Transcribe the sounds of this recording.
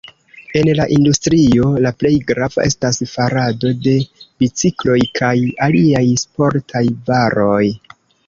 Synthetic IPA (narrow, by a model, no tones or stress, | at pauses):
e̞nlaʔindustɾio̞laple̞jɡɾava̰ʔe̞stasfaɾado̞de̞bit͡siklo̞jkʰajaliajspo̞ɾtʰajvaɾo̞j